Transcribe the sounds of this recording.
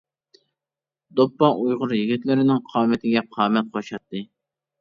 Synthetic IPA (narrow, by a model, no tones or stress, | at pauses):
d̪opːɑʔujʁʊɾjiɡʲit̪lɪɾɪnɪŋqʰɑːmɪt̪ʰɪɡʲɛqʰɑːmɛt̪̚qʰoʃɑt̪ːɨ